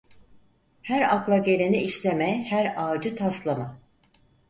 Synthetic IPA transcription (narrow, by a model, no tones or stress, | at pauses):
hæɾaklˠaɟe̞lʲeniiʃlʲe̞mɛhæɾaːd͡ʒɯt̪ʰaslˠama